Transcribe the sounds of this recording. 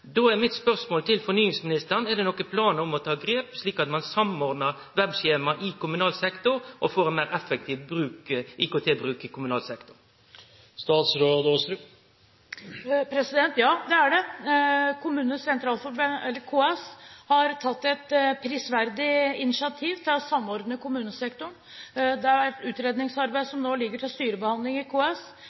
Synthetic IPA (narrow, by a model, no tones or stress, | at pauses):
d̪oːɛʁmɪt̪spœʁsmoːlt̪ʰɪlfɔɾnyːɪŋsmɪnɪst̪əʁnɛʁd̪ɛnɔkːəpʰlɑːnəɔmɔt̪ʰɑːɡɾeːpʂɭiːkɑt̪mɑnsɑmɔːʁd̪nəʁ | ʋɛbʃeːmɑʔɪkʊmʉnɑːlsɛkt̪ʊɾʔɔfoːɾɛnmæːʁɛfɛk̚t̪ʰiːʋbɾʉːkʔɪkoːt̪ʰeːbɾʉːkɪkʊmʉnɑːlsɛkt̪ʊ̥ɾ | st̪ɑːt̪sɾoːd̪ost̪ɾ | pʰɾɛsɪd̪ɛnt̪jɑːd̪ɛæɖɛ | kʰʊmʉːnəsɛnt̪ʰɾɑːlfɔɾbənɛlːəɾkʰuːɛshɑɾt̪ʰɑt̪ːɛt̪pʰɾiːsʋæɾd̪ɪɪnɪsɪɑt̪ʰiːʋt̪ʰɪlɔsɑmːɔɾd̪nəkʰʊmʉːnəsɛkt̪ʊɳ | d̪ɛɑɾætʉːt̪ɾeːd̪nɪŋsɑɾbæɪd̪sɔmnoːlɪɡːəʈʰɪlst̪yːɾəbəhɑnd̪lɪŋɪkʰoːɛs